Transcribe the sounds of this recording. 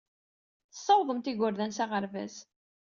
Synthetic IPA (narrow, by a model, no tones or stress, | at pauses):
θə̥sˤːɑwðˤəmt̪iɡʊɾðænsaʁəɾvæ̰z